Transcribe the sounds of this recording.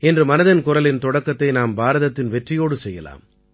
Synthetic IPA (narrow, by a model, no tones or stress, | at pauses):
ɛndrɯmɐnɐðɐnkʊɾɐlɪnt̪ɔɽɐkːɐt̪ːɐɪnaːmbaːɾɐðɐt̪ːɪnʋɛʈrɪjoːɽɯsɛjːɐ̰la̰ːm